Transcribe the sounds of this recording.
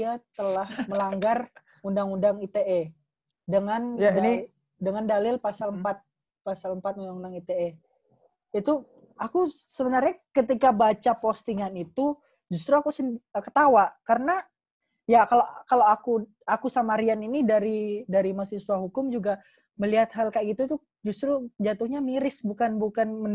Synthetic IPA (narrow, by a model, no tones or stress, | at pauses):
at̪əlahməlaŋɡar | undaŋundaŋit̪eɛ | dəŋani | dəŋandalɪlpasaləmpat̪̚ | pasaləmpat̪̚undaŋundaŋit̪eɛ | it̪u | akusəbənarɲakət̪̬ikabat͡ʃapost̪iŋanit̪u | d͡ʒust̪ɾuakusənəkə̥t̪awakaɾəna | jakalakaloaku | akusamaɾianinidaɾidaɾimasisuaɦukʊmd͡ʒuɡa | məliɦat̪̚halkaɡit̪ut̪u | d͡ʒust̪ɾud͡ʒat̪ʊhɲamiɾɪsbukanbukanmə